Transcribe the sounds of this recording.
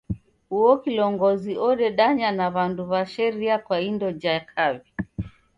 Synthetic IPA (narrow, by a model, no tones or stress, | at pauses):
huɔkilɔŋɡɔziɔɗɛɗaɲanaβanduβaʃɛɾiakwaindɔd͡ʒakʰaβi